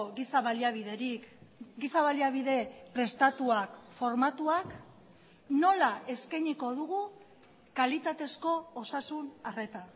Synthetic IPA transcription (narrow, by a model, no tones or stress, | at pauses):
ɣisaβaliaβiðeɾikɡisaβaliaβiðe̞pɾe̞st̪at̪uakfo̞ɾmat̪uak | no̞lae̞skajɲiko̞ð̞uɣu | kalit̪at̪e̞sko̞ːsasunare̞t̪a